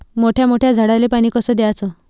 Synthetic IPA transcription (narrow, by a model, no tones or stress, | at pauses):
moʈʰjamoʈʰjad͡zʱəɽalepaɽ̃iːkəsəd̪eat͡sɔ